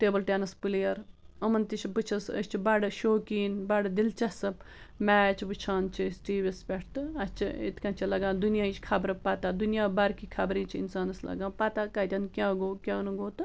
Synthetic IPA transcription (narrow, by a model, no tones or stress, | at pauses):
ʈeːbəlʈʲeːnɐspɨlijɐɾɐmɐnt̪it͡ʃʰbɨt͡ʃʰɐsɐ̰t͡ʃʰibɐɖɨʃoːkiːnbɐɖɐd̪ilt͡ʃɐsɐp | mɛːt͡ʃʰʋɨt͡ʃʰaːnt͡ʃʰisʈiːʋespʲeʈʰt̪ɨɐt͡ʃʰiḭt̪kɐnt͡ʃʰilɐɡãːd̪unijaːit͡ʃʰkʰɐbɾɐpat̪aːd̪unijaːbɐɾkiːkʰɐbɾĩːt͡ʃʰiḭnsaːnɐslɐ̰ɡãːpat̪akat̪ʲɐnkʲãːɡoːkʲjãːnɐɡoːt̪ɨ